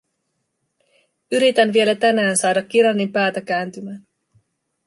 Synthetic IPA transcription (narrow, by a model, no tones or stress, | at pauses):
yɾit̪ænʋie̞læt̪ænæːnsɑːdɑk̟ːiɾɑnːimpæːt̪æk̟æːnt̪ymæːn